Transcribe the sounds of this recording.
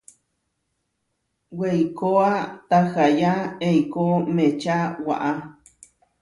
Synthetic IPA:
wejkoat̪axajaejkomet͡ʃawa̰ʔa

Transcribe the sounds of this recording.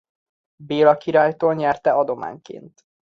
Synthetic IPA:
beːlɒkiɾaːjt̪oːlɲɛrt̪ɛɒd̪o̞ma̰ːɲkḛːnt̪

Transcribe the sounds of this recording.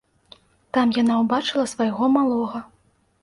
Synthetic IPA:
t̪amjanawbat͡ʂɨlˠɐsvajɣɔmalˠɔɣɐ

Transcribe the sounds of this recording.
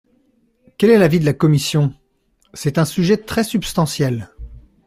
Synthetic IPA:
kʲɛlɛlavid̪əlakɔmisjɔ̃ | sɛt̪ɛ̃syʒɛt̪χɛsypst̪ɑ̃sjɛl

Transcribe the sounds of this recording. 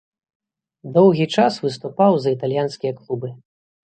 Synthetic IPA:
d̪ɔwɣʲit͡ʂasvɨst̪upawzɐit̪alʲjanskʲijɐklˠubɨ

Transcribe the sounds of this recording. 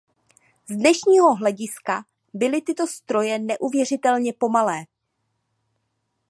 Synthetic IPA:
zdnɛʃɲiːɦo̞ɦlɛɟɪska | bɪlɪt̪ɪt̪o̞st̪ɾo̞jɛnɛʔuvjɛr̝ɪt̪ɛlɲɛpo̞malɛː

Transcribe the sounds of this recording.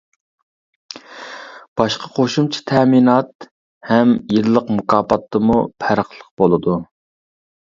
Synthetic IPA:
b̥ɑʃqɑ̥qʰoʃumt͡ʃʰi̥t̪ʰɛminɑt̪ | hɛmjillːˠəqmukʰɑːpɑt̪ʰːɨmupʰæɾəχlˠəq̚b̥olˠɨd̪u

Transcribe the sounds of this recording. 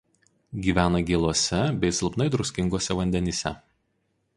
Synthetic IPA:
ɡʲiːʋʲæːnɐɡʲeːlˠoɔsʲɛbʲɛɪsʲɪlˠpnɐɪd̪ɾʊsʲkʲɪŋɡoɔsʲɛʋɐnʲd̪ʲɛnʲiːsʲɛ

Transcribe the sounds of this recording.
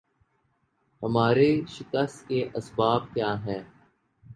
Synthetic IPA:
hɐmaːɾeʃɪkəst̪keʔɐsbaːb̚kjaːɦɛː

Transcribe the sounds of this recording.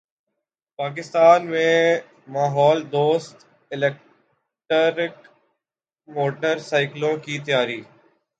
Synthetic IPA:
paːk̬ɪst̪aːnmẽː | maːɦɔːld̪oːst̪ | ɪleːk̚ | ʈːɾɪk | moːʈəɾsaːɪklõːkiːt̪̬əjaːɾiː

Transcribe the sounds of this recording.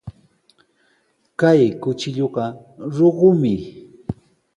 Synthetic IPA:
kajkʊt͡ʃɪʎoɢɑ | ɾoɢʊmɪ

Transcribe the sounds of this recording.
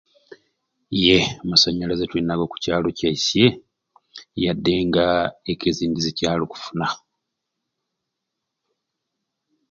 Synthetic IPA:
je̞masaɲːalazetwiːnːaɡoku̥caːlo̞case̞ | jadːe̞ŋɡaekeziːndizecaːloku̥funa

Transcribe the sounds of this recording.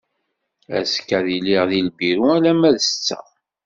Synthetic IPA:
æ̰skːæðiliʁðilbiɾuælæmæðsət͡sːə̰

